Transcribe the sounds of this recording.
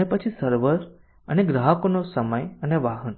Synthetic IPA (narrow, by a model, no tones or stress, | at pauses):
epət͡ʃʰisəɾʋəɾ | əneɡɾaɦəkonosəməjəneʋaɦən